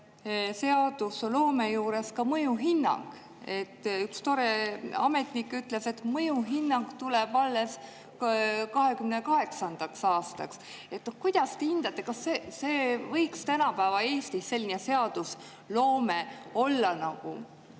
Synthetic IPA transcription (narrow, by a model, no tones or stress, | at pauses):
se̞ɑd̪̥uslo̞ːme̞juːɾe̞skɑmɤjuɦinːɑ̰ŋɡ̥ | e̞t̪ːykst̪o̞ɾeɑme̞t̪ˑnikːˑyt̪ːˑle̞se̞t̪ːˑmɤjuɦinːɑŋɡ̥t̪ule̞b̥ɑlːes | kɑɦe̞kymnekɑɦe̞ksɑnd̪̥ɑksɑːst̪ɑ̰ks | e̞t̪nohkujd̪̥ɑst̪ehind̪̥ɑt̪ːˑe̞kɑsːeseːvɤ̞jkst̪ænɑpæːvɑe̞ːst̪isːe̞lʲːinese̞ɑd̪̥us | lo̞ːmeo̞lːɑnɑɡ̥u